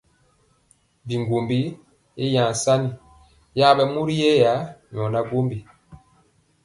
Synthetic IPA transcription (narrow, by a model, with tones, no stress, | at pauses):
bi˨ŋɡo˨mbi˦ | e˦jã˨sa˦ni˨ | ja˦bɛ˦mu˦ɾi˦jɛ˦ja˨˦ɲɔ˨na˦ɡo˦mbi˨